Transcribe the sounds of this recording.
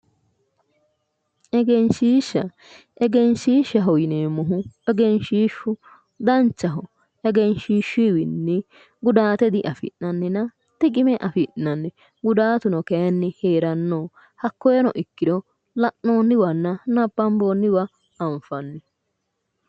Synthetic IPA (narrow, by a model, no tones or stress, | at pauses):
ʔɛɡɛnʃiːʃːɐ | ʔɛɡɛnʃiːʃɐɦɔjɪneːmːʊɦʊɛɡɛnʃiːʃʊ | d̪ɐnt͡ʃːɐɦʊ | ɛɡɛnʃiːʃiwɪnːɪ | ɡʊd̪aːt̪ɛd̪ɪʔɐfɪ̰ʔnɐnːɛnɐ | t̪ɪkʼɪmɛʔɐfɪʔnɐnːɛ | ɡʊd̪aːt̪ʊnɔkɛɐnːɪheːɾɐnːoː | hɐkːɔjɛnɔ̰ʔɪkːɪd̪ɔ | lɐʔno̞ːnːɪwɐnːɐnɐbːɐmboːnːɪwɐ | ɐɱfɐnːɪ